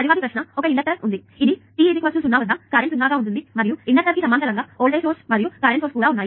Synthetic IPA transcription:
ɐɾiʋaːd̪ipɾɐʃnɐɔkɐiɳɖɐkʈɐɾund̪i | id̪it̪iːid̪ikʋɐsusunːaːʋɐaːkɐːɾeɳʈunːaːɡaːunt̪und̪imɐɾijuiɳɖɐʈɐɾkisɐmaːnt̪ɐlɐŋɡaːoːɭɖeːʈoːsmɐɾijukɐːɾeɳʈoːskuːɽaːunːaːji

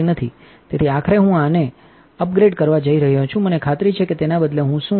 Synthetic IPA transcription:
inət̪ʰi | t̪et̪ʰiakʰəɾeɦũane | əp̚ɡɾeɖkəɾʋad͡ʒəiɾəɦjõt͡ʃʰũmənekʰat̪ɾit͡ʃʰeket̪enabəd̪leɦũʃũ

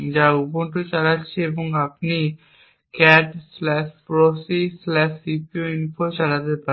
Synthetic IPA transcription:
d͡ʑauponʈot͡ɕaɽatːɕʰeeboŋapni | kɛʈslɛʃpɾosislɛʃsipioinfʰot͡ɕaɽat̪epa

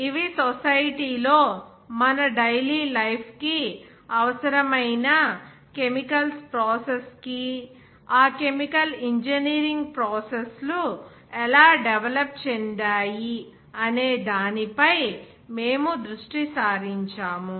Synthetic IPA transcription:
iʋisosɐjʈiːlo̞ː | mɐnɐɖɐjliːlɐjpʰki | ɐʋɐsɐɾɐmɐjnɐ | kemikɐlspɾoːseski | aːkemikɐliɲd͡ʒɐniːɾiŋɡpɾoːseslu | ɛlaːɖeʋɐlɐp̚t͡ʃɛnɖaːji | ɐneːd̪aːnipɐj | me̞ːmud̪ɾuʂʈisaːɾiɲt͡ʃaːmu

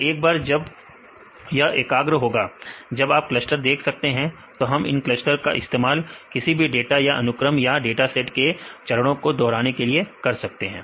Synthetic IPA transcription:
eːk̚baːɾd͡ʒɐb | jaʔeːkaːɡɾəɦoːɡaːd͡ʒɐbaːp̚klɐsʈəɾd̪eːkʰsɐk̚t̪eɦɛ̃ | t̪oɦɐmɪ̰nklɐsʈəɾka̰ʔɪ̰st̪eːmaːlkɪsibʱiɖeːʈajaʔɐ̰nʊkɾəmjaɖeːʈasɛʈket͡ʃɐɾəɽ̃õkod̪ɔːɾaːnekeliekɐɾsɐk̚t̪eɦɛ̃ː

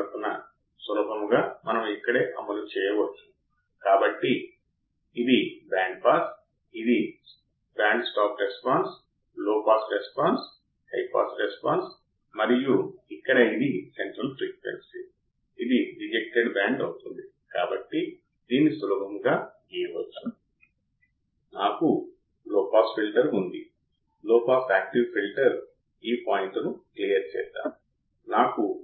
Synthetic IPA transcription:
k̪unːɐ̰ | sɐlɐbʱɐmɡaːmɐnɐmikːɐɽe̞ːʔɐmɐlut͡ʃɛːjɐʋɐt͡ʃːu̥ | kaːbɐʈːi | id̪ibaːɳɖpaːs | id̪i | baːɳɖsʈaːpɾespaːns | loːpaːsɾespaːns | hɐ̰jpa̰ːsɾespaːns | mɐɾijuikːɐɽɐid̪iseɳʈɾɐlpɾiːkʋḛnsi | id̪iɾid͡ʒek̚ʈeɖbaːɳɖɐwt̪und̪i | kaːbɐʈːi | d̪iːnisulɐbʱɐŋɡaːɡiːjɐʋɐt͡ʃːu̥ | naːku | loːpaːspʰilʈɐɾund̪i | lɔːpaːsaːk̚ʈiʋpʰilʈɐɾ | iːpaːjiɳʈunuklijɐɾt͡ʃɛ̰ːst̪a̰ː | naːku

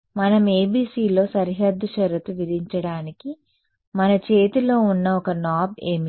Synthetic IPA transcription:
mɐnɐmeːbiːsiːlo̞ːsɐɾiɦɐd̪ʱːuʃɐɾɐt̪uʋiɾiɲt͡ʃɐɽaːniki | mɐnɐt͡ʃe̞ːt̪ilo̞ːunːɐɔkɐnaːbeːmi

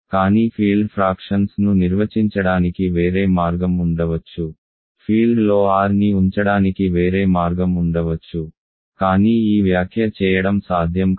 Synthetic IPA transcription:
kaːniːpʰiːɭɖpʰɾaːkʂɐnsnuniɾʋɐt͡ʃiɲt͡ʃɐɽaːnikiʋe̞ːɾeːmaːɾɡɐmuɳɖɐʋɐt͡ʃːu | pʰiːɭɖlo̞ːaːɾniuɲt͡ʃɐɽaːnikiʋe̞ːɾe̞ːmaːɾɡɐmuɳɖɐʋɐt͡ʃːu | kaːniːiːʋjaːkʰjɐt͡ʃɛːjɐɽɐmsaːd̪ʱjɐm

